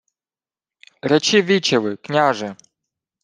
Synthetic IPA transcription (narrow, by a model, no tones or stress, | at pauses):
ɾɛt͡ʃiʋʲit͡ʃeʋɪknʲaʒɛ